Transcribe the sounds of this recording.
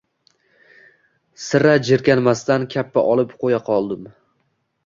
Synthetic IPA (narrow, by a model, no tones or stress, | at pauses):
sɪɾad͡ʒɪɾkʲanmast̪ankʲʰapːaʔɒlˠɪpqʰojaqʰɒlˠd̪ɪm